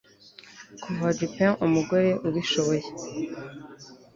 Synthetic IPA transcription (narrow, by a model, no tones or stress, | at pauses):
kʰuvad͡ʒipẽumuɡo̞ɾe̞ʔuβiʃoβoje